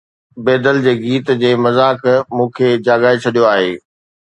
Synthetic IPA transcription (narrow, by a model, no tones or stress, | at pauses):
beːd̪əld͡ʑeːɡiːt̪d͡ʑeːmɐzaːkmũːkʰeːd͡ʑaːɡaːet͡ɕʰɐɗijoaːɦeː